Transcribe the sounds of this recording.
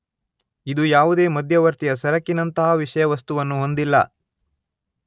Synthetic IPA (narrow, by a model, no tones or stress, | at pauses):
id̪ujaːʋud̪e̞ːmɐd̪ʱjɐʋɐɾt̪ijɐsɐɾɐkːinɐnt̪ɐɦaːʋiʂɐjɐʋɐst̪uʋɐnːuɦo̞nd̪ilːɐ̰